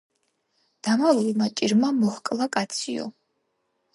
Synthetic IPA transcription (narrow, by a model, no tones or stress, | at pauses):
d̪̥amalulmat͡ʃʼiɾmamɔhkʼlˠakʼat̪sʰiɔ̰